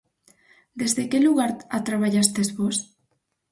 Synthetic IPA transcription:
d̪ezðekeluɣaɾat̪ɾaβaʎast̪ezβos

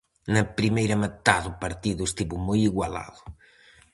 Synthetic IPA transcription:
nɐpɾimejɾɐmɐt̪aðʊpɐɾt̪iðʊest̪iβumojiɣwala̰ðʊ

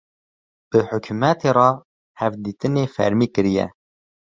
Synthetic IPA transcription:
b̥ɨħʊkʰumɛt̪ʰeɾɑː | hɛvd̪iːt̪ɨneːfɛ̰ɾmiːkɨɾijɛ̰

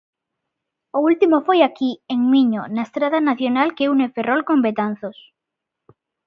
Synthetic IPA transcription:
oult̪imofojakieŋmiɲonaest̪ɾaðanaθjonalkeuneferolkombet̪an̟θos

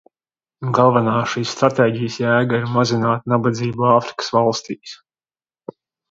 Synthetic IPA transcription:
ɡalˠvanaːʃiːssːt̪ɾat̪eːɟijsjæːɡaiɾmazinaːt̪nabad̪ziːbuaːfɾi̥kə̥svɑlˠst̪iːs

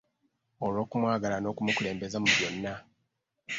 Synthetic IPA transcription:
olwo̞ːkumwaːɡalano̞ːkumukule̞ːmbe̞zamuβjo̞nːa

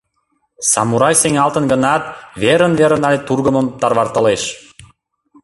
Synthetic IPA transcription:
sɑ̰muɾɑjseŋɑlt̪ənɡə̆nɑt̪̚βeɾə̆nveɾə̆nɑlʲet̪urɣə̆mə̆mt̪ɑrβɑrt̪ə̆leʃ

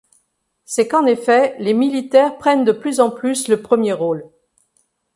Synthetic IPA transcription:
sɛkɑ̃nefɛlemilit̪ɛʁpχɛnd̪əplyzɑ̃plysləpχəmjeʁol

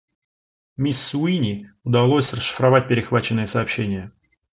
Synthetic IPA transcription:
mʲisːuinʲiʊd̪ɐlˠo̞sʲrəsʂːɨ̥fɾɐvat̚ʲpʲɪɾʲɪxvat͡ɕɪnːɨjəsɐːpɕːenʲɪjə

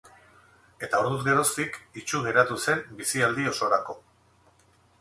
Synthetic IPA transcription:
e̞t̪aoɾðuzɡe̞ɾo̞st̪ikit͡ʃuɣe̞ɾat̪use̞mbisiald̪io̞so̞ɾako̞

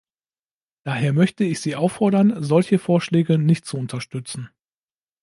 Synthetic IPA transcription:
d̥aːɦeːɐmœçtəɪçz̥iːʔaʊfɔɐdɐnzɔlçəfoːɐʃlɛːɡənɪçt̚t͡suʊntʰɐʃtʏt͡sn̩

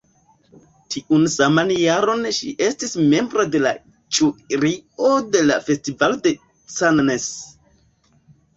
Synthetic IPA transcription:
tʰiʔunsamanjaɾo̞nʃiʔe̞stisme̞mbɾo̞de̞la̰ | t͡ʃuɾio̞de̞lafe̞stivalde̞ | sannes

